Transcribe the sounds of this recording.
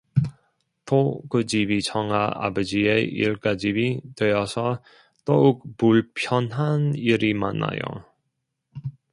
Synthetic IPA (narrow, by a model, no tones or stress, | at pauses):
tʰokɯd͡ʑibit͡ɕʰʌŋaʔa̰bʌd͡ʑieḭɭk͈ad͡ʑibitwejʌsʰʌ | t͈ʌuk̚puɭpʰjʌnɦaniɾimanːa̰jo̰